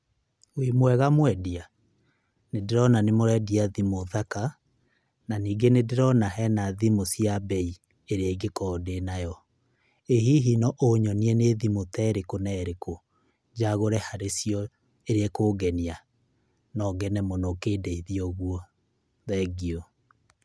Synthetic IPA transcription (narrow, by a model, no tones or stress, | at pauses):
wimwɛɣamwɛdia | nedeɾɔnanemoɾɛdiaðimoðaka | naniːɡenedeɾɔnaɦɛnaðimosjabɛi | eɾeaɡekɔːdenajɔ | eɦiɦinɔʔoɲɔniɛneðimotɛɾekonɛɾeko | d͡ʒaɣoɾɛhaɾesjɔ | eɾeɛkoːɡɛnia | nɔɡɛnɛmonokeːdeiðiɔɣwɔ | ðɛɡiɔ